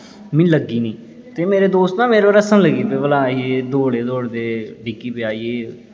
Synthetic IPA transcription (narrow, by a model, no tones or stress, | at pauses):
mɪ̃ːləɡiːnĩː | t̪eːmeːɾeːd̪oːst̪nãːmeːɾebaɾəsənləɡiːpeʋəlaːieːd̪oːɽeːd̪oːɽd̪eːɖiːkiːpeaːieː